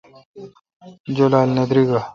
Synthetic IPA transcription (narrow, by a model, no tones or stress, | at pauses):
d͡ʑolaːlnɐd̪ɾiɡa